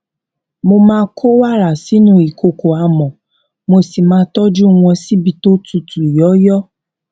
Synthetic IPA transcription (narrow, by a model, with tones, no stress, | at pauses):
mo˧mãː˦kʰo˦wa˦˨ɾa˨si˨˦nũ˦i˨kʰo˧ko˨a˧mɔ̃˨ | mo˧si˨mãː˧˦tɔ˦d͡ʒu˦w̃ɔ̃˧si˦bi˧to˦tu˧tu˨i˨jɔ˨˦jɔ˦